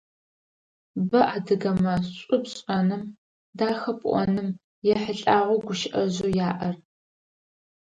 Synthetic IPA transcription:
bɐʔaːdɨɣɐmɐɕʼʊpɕʼɐnɨm | daːxɐpʼʔʷɔ̰nɨm | jɛħəɬʼaːʁʷʊɡʷʊʃʔɐʑuːjaːʔɐr

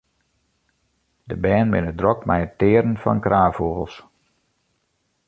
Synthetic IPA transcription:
dəbɛːnmɪnədrɔkmɛjətɪəɾənfɔ̰nkrʔaːfoːɣəlˠs

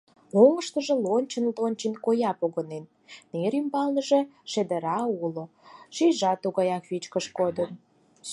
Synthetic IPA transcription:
oŋəʃt̪ə̆ʒĕlonʲt͡ɕənlonʲt͡ɕenkojɑpoɣənenː | eɾymbɑlnəʒeʃĕd̪ə̆ɾɑulo | ʃijʒɑt̪uɣɑjɑkβit͡ɕkəʃkod̪ən

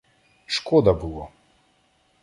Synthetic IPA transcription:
ʃkɔd̪ɐbulˠɔ

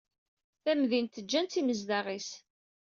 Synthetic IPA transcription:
θæmðint̪ːəd͡ʒːænt̪ːiməzd̪ɑʁis

